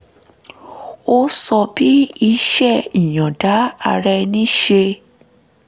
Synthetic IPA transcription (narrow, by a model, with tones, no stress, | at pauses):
o˦sɔ˧bi˦i˧ʃɛ˦˨i˨j̃ɔ̃˨da˨˦a˧ɾɛ˧nĩ˦ʃe˧